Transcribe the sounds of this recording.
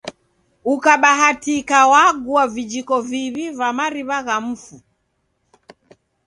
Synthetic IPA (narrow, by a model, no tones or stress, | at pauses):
ukaɓaɦatikawaɡuavid͡ʒikɔviβivamaɾiβaɣam̩fu